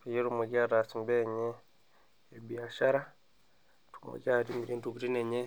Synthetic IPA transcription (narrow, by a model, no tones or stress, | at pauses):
pejeɾumeɡaɾasimbeɲeː | bjaʃaɾa | tumḛɡaɾimiɾiːntuɡuɾineɲe